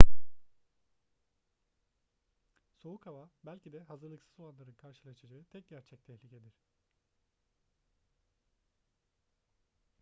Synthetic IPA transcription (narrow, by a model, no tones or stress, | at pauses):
so̞ukʰhavabælʲcid̪ɛɦazɯɾlˠɯksɯ̥zo̞lˠanlˠaɾɯnkʰaɾʃɯlˠat͡ʃʰɯad͡ʒaːɯt̪ʰɛc̚ɟæɾt͡ʃʰɛc̚t̪ʰɛhlʲicʰe̞d̪iɾ̥